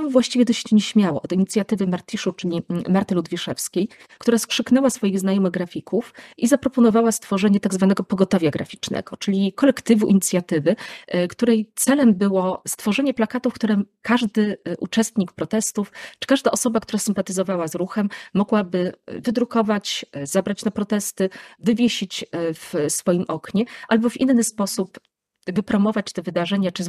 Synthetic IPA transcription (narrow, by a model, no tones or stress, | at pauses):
ɔvwaɕt͡ɕivʲɛd̪ɔɕɲɛɕmʲjawɔʔɔd̪iɲit̪sʲjat̪ɘvɘmaɾt̪ʲiʂut͡ʂɘlʲimaɾt̪ɘlud̪vʲiʂɛfskʲej | kt̪uɾaskʂɘknɛwasfɔjiɣznajɔmɘɣɡɾafʲikufizapɾɔpɔnɔvawast̪fɔʐɛɲɛt̪aɡzvanɛɡɔpɔɡɔt̪ɔvʲjaɡɾa̰fʲit͡ʂnɛ̰ɡ̥ɔt͡ʂɘlʲikɔlɛkt̪ɘvuʔiɲit̪sʲjat̪ɘvɘkt̪uɾɛjt̪sɛlɛmbɘwɔst̪fɔʐɛɲɛplakat̪ufkt̪uɾɛkaʐd̪ɘʔṵt͡ʂɛst̪ɲikpɾɔt̪ɛst̪uft͡ʂɘ̥kaʐd̪aʔɔsɔbakt̪uɾasɘmpat̪ɘzɔvawazɾuxɛmːɔɡwabɘvɘd̪ɾukɔvat͡ɕzabɾat͡ɕnapɾɔt̪ɛst̪ɘvɘvʲjeɕit͡ɕfsfɔjimʔɔkɲɛʔalbɔvḭnːɘspɔsup | vɘpɾɔmɔvat͡ɕt̪ɛvɘd̪aʐɛɲat͡ʂɘ